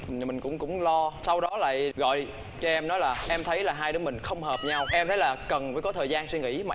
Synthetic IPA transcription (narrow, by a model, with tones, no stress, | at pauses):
mï˨˩ŋ̟kʊ̰˧˥ŋ͡mkʊ̰˧˥ŋ͡mlɔ˧sa˧wɗɔ˨˦la̰ː˧˨jɣɔ̰˧˨j | t͡ɕʔɛ˧mnɔ˨˦jlaː˨˩ʔɛ˧mt̪ʰə˨˦jlaː˨˩ɦaː˧jɗɨː˨˦mï˨˩ŋ̟xə˧wŋ͡mɦəː˨˩p̚ɲa˧wʔɛ˧mt̪ʰə˨˦laː˨˩kə˨˩nvəː˨˦jkɔ˨˦t̪ʰəː˨˩zaː˧nswi˧ŋḭ˧˥maː˨